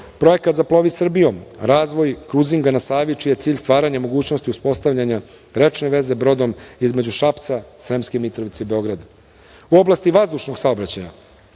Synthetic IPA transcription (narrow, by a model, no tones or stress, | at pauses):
pɾo̞je̞kat̪zaplˠo̞ʋisr̩bijo̞mɾaːzʋo̞jkɾuziŋɡanasaːʋit͡ʃijet̪siːʎʲst̪ʋaːɾaɲamo̞ɡuːt͡ɕnost̪iuspo̞st̪aʋʎʲaɲa | ɾe̞t͡ʃne̞ʋe̞ze̞bɾo̞d̪o̞mizme̞d͡ʑuʃapt̪sasɾemskemit̪ɾo̞ʋit̪seibe̞o̞ɡɾad̪a | uo̞blˠast̪iʋazd̪uʃno̞ɡsaobɾat͡ɕaja̰